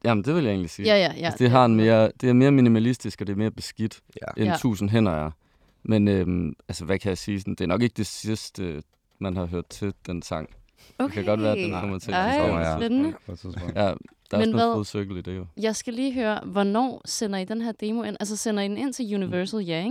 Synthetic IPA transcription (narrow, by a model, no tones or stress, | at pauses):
jæmn̩d̥e̝ʋe̝ljɑe̝̰ːnlisiːæjæjæd̥eɑ̈enme̝ːɐd̥e̝æɐme̝ːɐminimælisd̥isɡ̥ɒd̥e̝ɐme̝ːɐb̥e̝sɡ̥id̥ | ʔent͡sʰṵːsn̩ɦen̰ɐjɑ | menømælsəʋækʰæjɑ̈ɪsiːsɒn̩d̥e̝æɐnɒ̽ɡ̥e̝ɡ̥əd̥e̝sisd̥ə | mænhɑ̈ɦøɐ̰d̥ˠt͡sʰe̝d̥ensɑ̈ŋ̰ | dekʰæɡ̥ɒ̽d̥ʋæːɐdenkʰɒ̽m̰ɐt͡sʰe̝sbenənəjæd̥ɑ̈mesnnæðˠoðˠsøɡ̥əlid̥e̝jo̝jɑ̈ɪsɡ̥æliːɦøːɐʋɒnɒ̰ːsenɐid̥enɦæɐd̥e̝ːmo̝e̝nʔælsɐsenɐid̥ene̝n̰t͡sʰe̝ljuniʋɜɐsl̩jeŋ